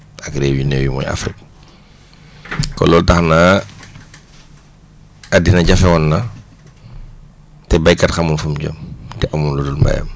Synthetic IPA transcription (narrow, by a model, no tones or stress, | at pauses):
ɐkɾɛːwinewjimɔ̰ja̰fɾik̚ | kɔ̰lɔltɐxnaː | adinɐɟɐfɛwɔnːɐ | tɛbɐjkɐtxɐmunfumɟɔ̰mtɛʔamunludulmba̰jɐ̰m